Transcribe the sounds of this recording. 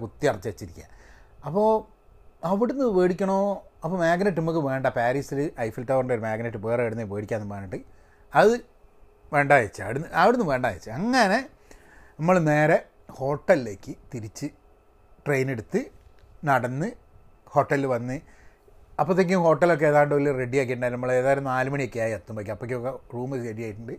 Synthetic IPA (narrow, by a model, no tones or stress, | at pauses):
kut̪ːiɐrɐt͡ɕːʋet͡ɕːiɾikʲːa̰ɐpːo̞ː | ɐʋiɽunːɨʋeːɽikʲːɐɳoːɐpːoːmaːɡnɐʈ̬ːɨnimuk̬ːɨʋe̞ːɳɖɐpaːɾiːsilɨʔɐjfilʈːɐʋɐrɳɖeoɾumaːɡnɐʈːɨbeːreːjiɽunːɐʋeːɽikʲːaːnːmaːnːɐʈːɨ | ɐðɨ | ʋe̞ːɳɖaːjɐt͡ɕːɐ̰ʋiɽunːɨɐʋiɽunːɨʋe̞ːɳɖa̰ːjɐt͡ɕːɨɐŋːɐne̞ | nɐmːɐɭne̞ːɾe | ho̞ːʈːɐlile̞ːkːɨt̪iɾit͡ɕːɨ | ʈrejneɽut̪ːɨ | nɐɽɐnːɨ | ho̞ʈːɐlːɨʋɐnːɨ | ɐpːot̪ːek̬ʲːumho̞ːʈːɐlo̞k̬ːeeːðaːɳɖɨʋɐlːire̞ɖijaːkːiʈːuɳɖaːɾnɐmːɐɭeːðaːjiɾɐmnːnaːlɨmɐɳijokːeaːjɐt̪ːumpɐkʲːuɐpːɐk̬ʲːuokːeruːmɐeɖijaːjiʈːuɳɖɨ